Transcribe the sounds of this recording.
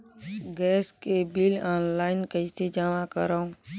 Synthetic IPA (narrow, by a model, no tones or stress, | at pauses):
ɡɛːskebilaːnlaːɪnkəised͡ʒamakə̰ɾaũ